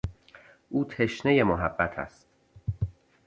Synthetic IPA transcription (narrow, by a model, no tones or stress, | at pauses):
ʔuːt̪ʰeʃne̞je̞moɦæbːæt̪ʰæ̰st̪